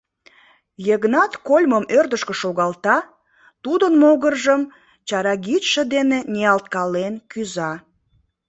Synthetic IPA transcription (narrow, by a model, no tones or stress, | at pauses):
jəɣnɑt̪kolʲməmørd̪əʃkə̆ʃoɣɑlt̪ɑ | t̪ud̪ənmoɣərʒəm | t͡ɕɑɾɑɡitʃəd̪eneneɑlt̪̚kɑlenkyzɑ